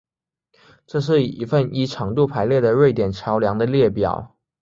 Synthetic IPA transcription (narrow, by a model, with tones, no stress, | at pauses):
ʈ͡ʂɤ˥˧ʂ̬ɻ̩˥˩˨i˧˥fə˥˩ni˥ʈ͡ʂʰɑ˧˥ŋt̪u˥˩pʰa˧˥ɪljɛ˥˩d̪ə˩ɻwe˥˩ɪt̪jɛ˨˩nʈ͡ʂʰjɑ˧˥ʊljɑ˧˥ŋd̪ə˧ljɛ˥˩pjɑ̰˨˩˦ʊ